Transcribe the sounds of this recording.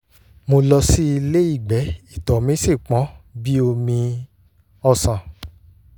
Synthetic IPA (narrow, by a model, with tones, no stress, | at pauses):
mo˧lɔ˧si˦i˧le˦i˦˨ɡ͡bɛ˨˦i˦˨tɔ˨mĩ˦si˦˨k͡pɔ̃˨˦bi˦o˧mĩ˧ | ɔ˧sã˨